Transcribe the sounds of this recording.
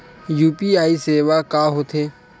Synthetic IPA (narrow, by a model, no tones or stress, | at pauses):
juːpiːaːiːseːʋaːkaːɦoːt̪ʰeː